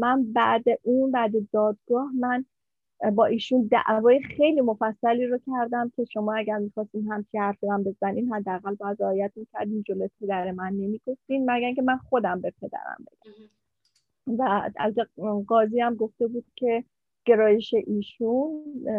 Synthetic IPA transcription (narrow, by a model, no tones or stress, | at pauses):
mænbæd̪eʔinbæd̪ed̪ɒːd̪ɡɒːhmæn | bɒːʔiːʃund̪æ̰ʔvɒːje̞xe̞jliːmo̞fæsːæliːɾocʲʰæɾd̪æmcʲʰe̞ʃo̞mɒːæɟæɾmixɒːst̪iːnɦæmt͡ʃʰihæɾfiɾæmbe̞zæniːnɦæd̪ːeæɣælvæzɒːejæt̪micʲʰæɾd̪iːnd͡ʒolojepʰe̞d̪æɾemænːe̞miːɡ̥o̞ft̪iːnmæɡæɾŋcʰemænχo̞d̪æmbepʰe̞d̪æ̰ɾæ̰mbe̞̰ɡ̥æm | vææ̰lkeɢɒːziːæmɡo̞ft̪e̞buːd̪̥̚cʰe̞ | ɡ̥e̞ɾɒːje̞ʃe̞ʔiːʃun